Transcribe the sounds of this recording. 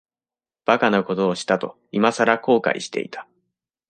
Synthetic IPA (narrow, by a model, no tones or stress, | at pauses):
b̥akano̞ko̞t̪o̞ːɕi̥t̪at̪o̞ | imasaɾako̞ːka̰ḭɕi̥t̪e̞̰ḭt̪ʰḁ